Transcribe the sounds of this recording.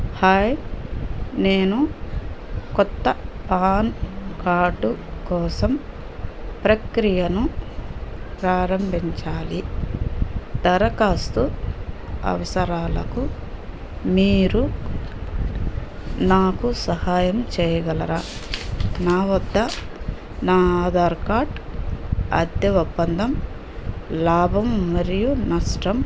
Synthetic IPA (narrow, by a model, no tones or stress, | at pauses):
haːj | neːnu | kɔt̪ːɐpaːnkaːɖukɔːsɐm | pɾɐkɾijɐnu | pɾaːɾɐmbʱiɲt͡ʃaːli | d̪ɐɾɐkaːst̪u | ɐ̰ʋɐsɐɾaːlɐku | miːɾu | naːkusɐhaːjɐmt͡ʃɛːjɐɡɐlɐɾaː | naːʋɐd̪ʱːɐ | naːaːd̪ʱaːɾkaːɾʈ | ɐ̰d̪jɐʋubːɐnd̪ʱɐm | laːbʱɐmːɐɾijunɐʂʈɐm